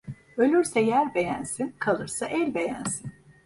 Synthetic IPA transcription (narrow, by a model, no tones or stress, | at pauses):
ølʲyɾsɛjæɾbe̞jænsinkʰalˠɯɾsaʔɛlʲbe̞jænsin